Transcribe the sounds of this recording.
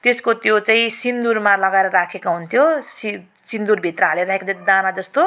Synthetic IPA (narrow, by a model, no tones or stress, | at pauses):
t̪eskot̪jot͡saĩsind̪urmalʌɡaeɾʌrakʰekaɦunt̪ʰjosi | sind̪urbʱit̪rʌɦaleɾaɦekad͡zʌt̪id̪anad͡zʌst̪o